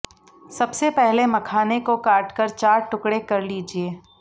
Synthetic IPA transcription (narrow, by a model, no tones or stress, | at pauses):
sɐbsepɛɦlemɐkʰaːnekokaːʈkəɾt͡ʃaːɾʈʊkɽekɐɾliːd͡ʒieː